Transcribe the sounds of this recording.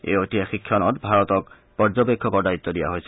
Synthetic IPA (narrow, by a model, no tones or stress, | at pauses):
ḛjotijaxikʰːɔnɔtbʱaɹɔtɔk | pɔɹzɔbekʰːɔkɔɹdait̪ːɔdija̰ɦojsɛ